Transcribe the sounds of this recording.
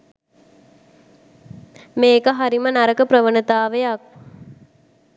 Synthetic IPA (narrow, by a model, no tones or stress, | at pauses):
meːkəɦaɾimənaɾəkəpɾəʋənət̪aːʋejak̚